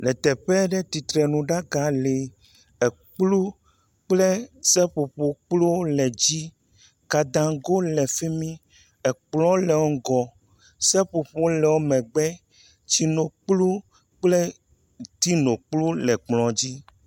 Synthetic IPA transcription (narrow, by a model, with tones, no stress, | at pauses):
lɛ˨t̪ɛ˨ɸɛ˦ɖɛ˦t̪i˨t̪ɾɛ˨nũ˨ɖa˦ɡa˨le˨ | ɛ˨ | k͡plu˦ | k͡plɛ˦sɛ˦ɸo˨ɸo˦k͡plo˦lɛ˨d͡ʑi˦ | ka˨d̪ã˨ɡo˦lɛ˨fe˦mĩ˦ | ɛ˨k͡plɔ̃˦lɛ˨wo˦ɡɔ˨ | sɛ˦ɸo˨ɸo˦lɛ˨wo˦mɛ̃˨ɡ͡bɛ˦ | t͡ɕi˦no˨k͡plu˦ | k͡plɛ˦ | t̪i˦nõ˨k͡plu˦lɛ˨k͡plɔ̃˨d͡ʑi˦